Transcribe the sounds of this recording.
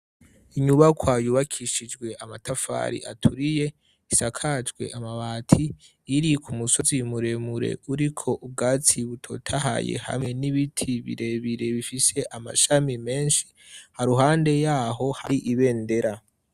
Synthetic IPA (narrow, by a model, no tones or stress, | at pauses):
iɲuβakʰwajuβakʰiʃid͡ʒɡwe̞ʔamatʰafa̰ɾḭʔatʰuɾije̞ | isakʰad͡ʒɡwe̞̰ʔamaβaːtʰiː | ɾikʰumuso̞zimuɾe̞muɾe̞̰uɾikʰo̞ʔub̚ɡaːt͡siβutʰo̞̰tʰaha̰jḛha̰mŋe̞niβitʰiβḭɾe̞βiɾe̞βifise̞ʔama̰ʃamime̞ːnʃi̥ | haɾuɦaːnde̞jaːɦo̞ha̰ɾiʔiβe̞ːnde̞ɾa